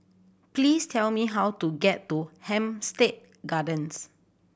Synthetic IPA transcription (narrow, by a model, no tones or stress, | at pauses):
pliːstʰɛlmiɦawtuɡɛtːuhɛ̃mstet̚ | ɡadə̃ns